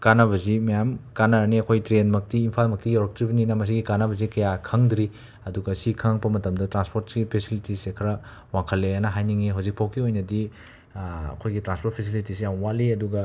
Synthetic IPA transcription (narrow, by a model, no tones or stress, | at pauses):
kanɐβɐzimɐjamkanɐniɐkʰojtɾenmɐk̚tiːmpʰalmɐk̚tijawɾɐk̚tɾibɐninɐmɐs̬iɡikanɐbɐzikɐjakʰɐŋdɾi | ɐduɡɐsikʰaŋpɐmɐtɐmdɐtɾanspʰoɾt̚ɡipʰesilitisekʰɐɾɐ | waŋkʰɐlːeɐnɐɦajniŋiɦawzik̚pʰawkʰiojnɐdi | ɐ̰kʰojɡitɾanspʰoɾt̚pʰes̬ilitisijamwaliɐduɡɐ